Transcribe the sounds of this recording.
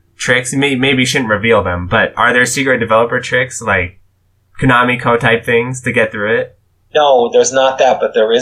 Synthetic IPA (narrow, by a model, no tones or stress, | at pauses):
tʰɹ̥ɪksmeɪmeɪbiʃʊdⁿn̩tɹɨvilˠðə̃mbʌɾʔə˞ðə˞sikɹɨt̚d̥ɨvɛlˠəpə˞tʰɹ̥ɪkslaɪkʰː | ɨnɑmikʰoʊtʰaɪp̚θɪ̃ŋz̥tʰɨɡɛt̪̚θɹʉɪt̚ | noʊðə˞znət̪̚ðæt̚b̥ʌt̪̚ðə˞ɪ